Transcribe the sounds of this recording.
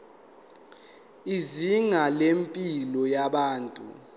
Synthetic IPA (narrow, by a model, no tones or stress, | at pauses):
iziŋalempʼilɔjaɓaːntʼṵ